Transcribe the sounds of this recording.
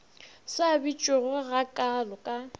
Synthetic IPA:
sabit͡ʃʼʊɣɔɣakʼalɔkʼa

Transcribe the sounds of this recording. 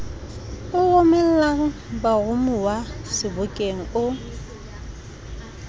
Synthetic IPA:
ʊɣʊmɛl̩laŋ̩baɣʊmʊwasɪbʊkʼeŋ̩ʊ

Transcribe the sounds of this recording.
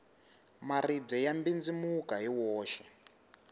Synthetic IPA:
marib͡ʐɛjambind͡zimukaɦiwɔːʃɛ̥

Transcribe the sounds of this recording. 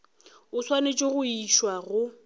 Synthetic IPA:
ʊswanet͡ʃʼoɣʊiʃwaɣʊ

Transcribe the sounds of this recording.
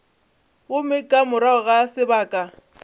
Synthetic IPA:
ɣʊmɪkʼamʊɾaʊɣasɪbaːkʼa

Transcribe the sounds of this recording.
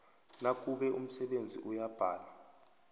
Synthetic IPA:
nak̬uɓɛʔum̩sɛɓend͡zʱḭʔujab̥ʱaːla

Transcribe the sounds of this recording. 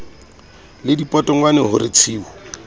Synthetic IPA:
lɪdipʼɔtʼɔŋwanɛɦʊrɪt͡sʰiːwɔ

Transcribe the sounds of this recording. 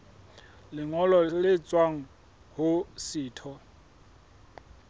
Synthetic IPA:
lɪŋɔlɔlɪt͡sʼwaŋ̩ | hʊsiːtʰɔ

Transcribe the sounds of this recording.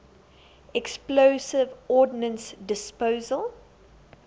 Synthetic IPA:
ɛksplosɪvɔːdɪnə̃nsdɪspoːzəlˠ

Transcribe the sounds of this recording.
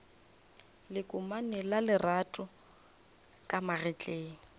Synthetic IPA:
lɪkʼʊmanɪlalɪratʼʊ | kʼamarɛt͡ɬʼeːŋ̩

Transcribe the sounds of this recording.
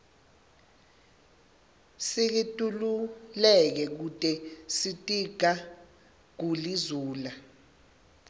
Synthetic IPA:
sik̬itʼululɛk̬ɛk̬utʼɛsitʼiɡ̥ʱa | k̬ulizuːla

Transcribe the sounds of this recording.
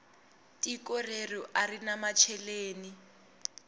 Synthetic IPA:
tʼikʼɔrerɔʔarinamat͡ʃʰɛleːni

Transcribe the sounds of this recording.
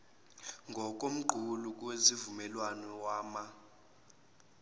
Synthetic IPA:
ŋɡʱɔk̬ʼom̩ǃʱuluk̬ʼwezivumɛlwanɔwaːma

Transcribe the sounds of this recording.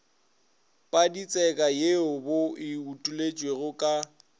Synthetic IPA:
pʼadit͡sʼɛkʼajeʊboɪutʼulet͡ʃʼweɣʊkʼa

